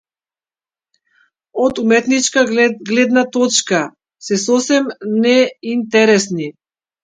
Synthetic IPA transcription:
ɔt̪umɛt̪nit͡ʃkaɡlɛd̪nat̪ɔt͡ʃka | sɛsɔsɛmnɛint̪ɛɾɛsni

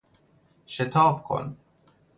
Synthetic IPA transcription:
ʃɛt̪ʰaːp̚kʰɔ̰n

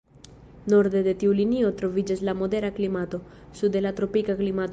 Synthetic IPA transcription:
no̞ɾd̪e̞d̪e̞tiulinio̞t̪ɾo̞vid͡ʒaslamo̞de̞ɾaklimato̞ | sud̪elatɾo̞pikaklimat

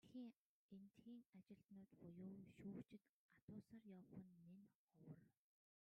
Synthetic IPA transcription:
xiːŋ | ent̪xiːŋat͡ɕɪ̆ɬt̪nʊːt̪χʊjʊːʃuːt͡ɕɪ̆t̪ | at̪ʊːsaːrjɔwχə̆nːen | ɔwə̆r

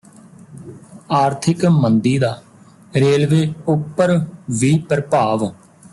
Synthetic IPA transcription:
aːɾt̪ʰɪkmənd̪iːd̪aː | ɾeːlʋeːʊpːəɾʋiːpəɾpaːʋ

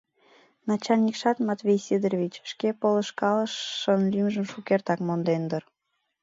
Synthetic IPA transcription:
nɑt͡ɕɑlʲnʲikʃɑt̪mɑt̪vʲejsed̪erβʲit͡ɕʃkepolə̆ʃkɑləʃːənlymʒəmʃukert̪ɑkmond̪end̪ər

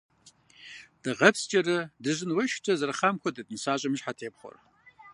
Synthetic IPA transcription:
d̥ɨʁɐpst͡ʃʼɐrɨdɨʑɨnwɐʃt͡ɕʰʼɐzɐrχamkʷʰɔdɨdnɨsaːɕʼɐmɨʒħatʰeːpχʷo̰r

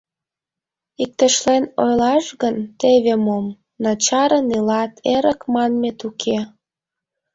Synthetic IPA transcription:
ik̚t̪ə̆ʃlenojlɑʃɣənt̪eβemom | nɑt͡ɕɑɾənilɑt̪ʰeɾəkmɑnmet̪ukʰe

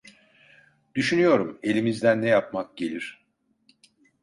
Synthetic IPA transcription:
d̪̥yʃynyjo̞ɾume̞lʲimizd̪ænːɛjapmak̚ɟe̞lʲiɾ̥

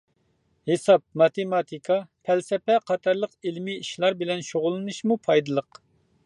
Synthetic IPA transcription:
hesɑp̚mɑt̪ʰemɑt̪ʰikʰɑpʰɛlsɛpɛqʰɑt̪ʰɑɾlˠəqilmiiʃlˠɑɾbɪlɛnʃoʁʊlˠːɨnɨʃmupʰɑjd̪ɨlˠəq

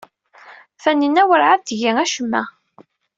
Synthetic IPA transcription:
fænːənːæwəɾʕat̪ʝæŋæʃəmːæ̰

